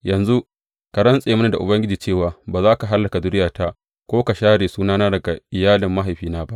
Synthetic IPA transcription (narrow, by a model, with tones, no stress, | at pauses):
jɐ˨nzu˦ʔ | ka˨ɾɐ˦nsʼeː˨mʊ˦na˨da̰˨ʔʊ˨bɐ˦ŋɡʲɪ˦d͡ʒiː˨t͡ʃeː˦˨waː˨baː˨zaː˦ka˨ɦa˦lːɐ˨ka˨dʊ˦ɽɪ˦jaː˨ta˦ʔ | kʷoː˦ka˨ʃaː˦ɽeː˨suː˦naː˦naː˦dɐ˨ɡa˨ʔɪ˨jaː˦lɪ˨mːa˦ɦa˨jɸiː˦naː˦ba˦ʔ